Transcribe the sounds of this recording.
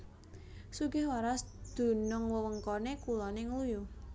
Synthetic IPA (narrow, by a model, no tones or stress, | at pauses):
suɡɪhwaɾasd̪̥o̤nʊŋwəwəŋkɔnekulɔneŋəluju